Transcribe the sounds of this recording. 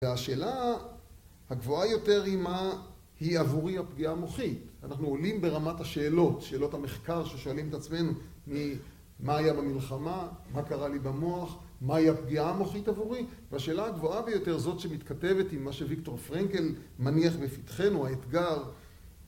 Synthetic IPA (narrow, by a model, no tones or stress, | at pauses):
veaʃe̞ːla | haɡvoajo̞te̞ʁima | hiavuʁiapɡiamo̞χitanaχnuolimbe̞ʁamathaʃe̞ːlo̞tʃe̞ːlo̞thameχkaʁʃeʃoalimetat͡sme̞nu | mi | maːjabamilχamamakaʁalibamoaχ | mahiapɡiamo̞χitavuʁiveaʃe̞ːlahaɡvoabe̞jo̞te̞ʁzo̞tʃemit̪kate̞ve̞timːaʃevikto̞ʁfʁeŋke̞lmaniaχbefitχenuaet̪ɡaʁ